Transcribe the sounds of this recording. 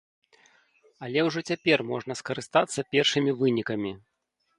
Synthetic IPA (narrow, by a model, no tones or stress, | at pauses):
ɐlʲɛwʐɔt͡sʲapʲɛrmɔʐnɐskɐɾɨst̪at̪sːɐpʲɛrʂɨmʲivɨnʲikɐmʲi